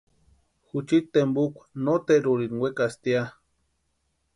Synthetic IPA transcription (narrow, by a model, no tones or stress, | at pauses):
xut͡ʃit̪ːembukʷḁnot̪eɾuɾinwekast̪ia